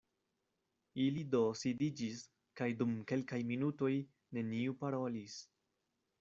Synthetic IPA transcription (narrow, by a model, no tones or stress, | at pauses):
ilido̞sidid͡ʒis | kajdumke̞lkajminuto̞j | ne̞niupaɾo̞lis